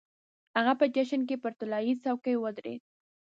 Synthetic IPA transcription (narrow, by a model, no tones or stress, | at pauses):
haɣapəd͡ʒaʃənk̬epəɾt̪ʊlɑjit͡sawkəjwəd̪ɾḛd̪̚